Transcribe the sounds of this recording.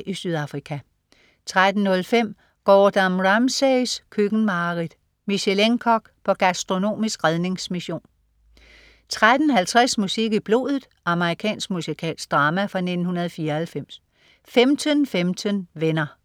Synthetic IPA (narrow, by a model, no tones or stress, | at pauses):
ʔisyðˠɑ̈fʁikʰæ | t͡sʰʁad̥n̩ːɔ̽lfem̰ | ɡ̥ɒ̰ːd̥ɑmʁɑmseskʰøɡ̥n̩mɑ̈ːʁid̥ˠ | miɕeleŋkʰɒɡ̥pʰɒ̽ɡ̥æsd̥ʁo̝no̝̰ːmisɡ̥ʁaðˠne̝ŋsmiɕo̝̰ːn | t͡sʰʁad̥n̩hælt͡sʰʁasmusiɡ̥ib̥lo̝̰ːðˠð̩ˠʔɑ̈məʁikʰɛ̰ːnsɡ̥̚musikʰɛ̰ːlsd̥ʁɑ̈ːmæfʁɑ̈ne̝d̥n̩hunɐð̞̩ˠfiːɐælfem̰s | femt͡sʰənfemt͡sʰənʋenɐ